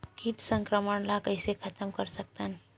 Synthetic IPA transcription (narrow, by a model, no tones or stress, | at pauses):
kiʈsə̃ŋkɾəməɳlakəɪsekʰət̪əmkəɾsək̚t̪an